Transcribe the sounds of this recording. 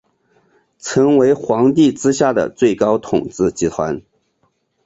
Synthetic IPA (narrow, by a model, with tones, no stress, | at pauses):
t͡sʰɤ˧˥ŋwe˧˥ɪxwɑ˧˥ŋt̪̬i˥˩ʈ͡ʂɻ̩˥ɕja˥˩d̪ə̰˩t͡swe˥˩ɪkɑ˥ʊt̪ʰʊ˨˩ŋʈ͡ʂɹ̩˥˩t͡ɕi˧˥t̪ʰwa̰˧˥n